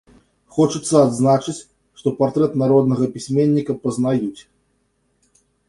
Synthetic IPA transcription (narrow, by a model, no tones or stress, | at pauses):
xɔt͡ʂut̪sːɐad̪znat͡ʂɨt͡sʲ | ʂt̪ɔpart̪ɾɛt̪naɾɔd̪nɐɣɐpʲisʲmʲenʲːikɐpɐznajut͡sʲ